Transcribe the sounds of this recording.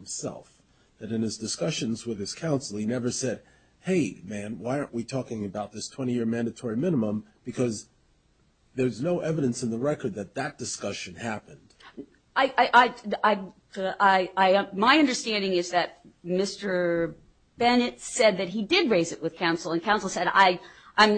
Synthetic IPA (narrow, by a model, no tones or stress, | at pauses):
msɛ̰lˠf | ðɨɾɨ̃nɨzdɨskʌʃɨ̃nzwɨð̥ɨz̥kʰãʊ̃nsl̩ˠinɛvə˞sɛd̥̚ | heɪmæ̃nwaɪɑɹnʔ̚witʰɔkɪ̃ŋɨbaʊt̪̚ðɪstʰw̥ɛ̃ɾ̃ijɪɹmæ̃ndɨtʰɔɹimɪ̃nəmə̃mb̥ɨkʰʌz | ðə˞ʌznoʊʔɛvɨɾɨ̃nsn̩ðəɹɛkə˞d̪̚ðɨt̪̚ðɨt̚d̥ɨskʌʃɨ̃nhæpɨ̃nd̥ | aɪʔaɪʔaɪaɪ | aɪaɪmaɪʌ̃ndə˞stæ̃ndɪ̃ŋɨzðɨt̚ | mɪstə˞ | b̥ɛnɨtsɛd̪̚ðɨt̚ɦidɪd̚ɹeɪzɨʔ̚wɨð̥kʰãʊ̃nsl̩ˠə̃nkʰãʊ̃nsl̩ˠsɛɾa̰ɪ | ʔãɪ̃m